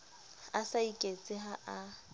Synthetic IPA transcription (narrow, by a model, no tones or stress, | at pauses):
asaikʼet͡sʼɪɦaʔa